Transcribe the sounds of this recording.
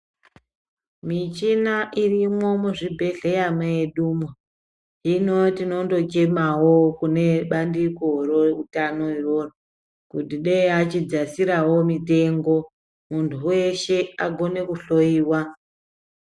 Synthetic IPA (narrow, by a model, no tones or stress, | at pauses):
mit͡ʃinaʔirimo̞muʐibʱe̞ɮe̞jameeɗumwa | ino̞tino̞ndo̞t͡ʃe̞mawo̞kune̞ɓandikoroutanoiro̞ra | kutiɗeeat͡ʃid͡zasiɾawo̞mite̞ŋɡo̞ | muntʰuwe̞ʃe̞aɡʱo̞ne̞kuɬo̞iːwa